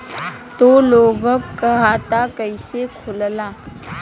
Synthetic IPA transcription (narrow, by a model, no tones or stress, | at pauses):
t̪oloːɡəkkːəɦat̪akəɪsekʰʊllaː